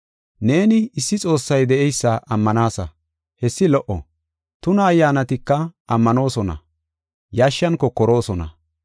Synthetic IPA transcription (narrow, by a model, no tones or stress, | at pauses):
ne̞ːnɪɪsːɪt͡sʼo̞ːsːɐjd̪ɛʔɛjsːɐʔɐmːɐnaːsɐ̰ | hɛsːɪlɔʔɔ̰ | t̪ʊnɐːjːaːnɐt̪ɪkːɐɐmːɐno̞ːsɔnɐ̰ | jaːʃːɐnkɔkːɔɾo̞ːsɔnɐ̰